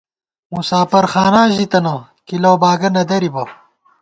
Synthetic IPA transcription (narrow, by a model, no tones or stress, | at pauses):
musaːpɐɾxaːnaːʑit̪ɐnɐ | kilowbaːɡɐnɐd̪ɐɾibɐ